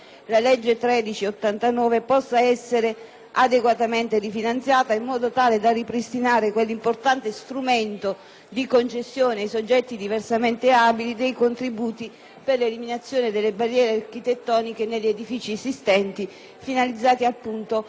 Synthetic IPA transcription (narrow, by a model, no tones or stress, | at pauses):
lalɛd͡ʒːet̪ɾɛːd̪it͡ʃiot̪ːant̪anɔːvepɔsːaɛsːeɾe | ad̪eɡwat̪ament̪erifinant̪sjaːt̪aimːɔːd̪ot̪aːled̪aripɾist̪inaːɾekwelːimport̪ant̪est̪ɾument̪o | d̪ikont͡ʃesːjoːneajsod͡ʒːɛt̪ːid̪iversament̪eabilid̪ejkont̪ɾibuːt̪i | perleliminat̪sːjoːned̪elːebarːjɛːɾearkit̪et̪ːɔːnikeneʎːed̪ifiːt͡ʃiesist̪ɛnt̪i | finalid̪zːaːt̪iapːunt̪o